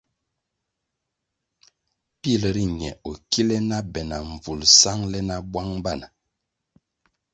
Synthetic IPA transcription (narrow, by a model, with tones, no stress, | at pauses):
pi˦˨lə˨ɾi˦ɲɛ˨o˨ki˦lɛ˦na˦bɛ˨na˨ɱ˨vu˨lsa˦ŋlɛ˦na˦bwa˦ŋba˦˨na˨